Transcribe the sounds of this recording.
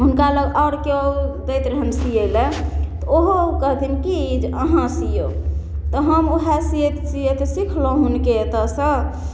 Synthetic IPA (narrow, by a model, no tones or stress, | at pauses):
ɦunkaləɡaɽkeod̪əjt̪ɾəɦənsijelɛt̪ɔoɦokəɦt̪ʰinkid͡ʒəɦãsijo | t̪ɔɦəmoɦɛsijet̪sijet̪ɔsikʰlõɦunket̪əsə